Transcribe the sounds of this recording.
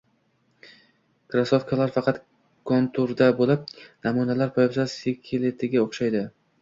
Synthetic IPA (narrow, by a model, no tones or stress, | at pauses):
kɾasofkʰalaɾfɑqʰɑt̪ | kʰont̪ʰʊɾd̪abolɪp̚namunalaɾpʰɒjapsasekʲʰelet̪ʰɪɡʲaoχʃajd̪ɪ